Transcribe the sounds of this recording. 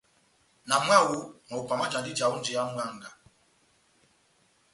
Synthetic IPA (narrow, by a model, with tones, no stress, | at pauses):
na˨˦mʷ˦a˦˨wʊ˦nɔ˨ʊ˨kʷa˨ma˦t͡ʃa˨˦dɪ˦d͡ʒa˨wu˦n̩˦d͡ʒɪ˨ja˦m̩˦wʷa˦ŋ̩˦ɡa˨